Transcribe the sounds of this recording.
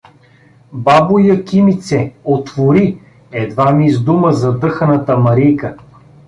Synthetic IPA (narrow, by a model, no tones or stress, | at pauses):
babujəkʲimit̪sɛot̪voɾi | ɛd̪vamizd̪uməzɐd̪ɤxənət̪əmɐɾijkə